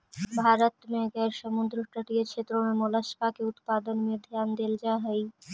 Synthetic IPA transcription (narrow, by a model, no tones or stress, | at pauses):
bʱaɾot̪meɡɛeɾʃəmund̪ɾoʈəʈieɾt͡ʃʰet̪ːɾomemolaʃpakeut̪pad̪onmiod̪ʱeand̪eld͡ʑaɦəj